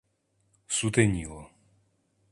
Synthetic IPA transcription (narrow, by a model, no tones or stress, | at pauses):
sut̪ɛɲilɔ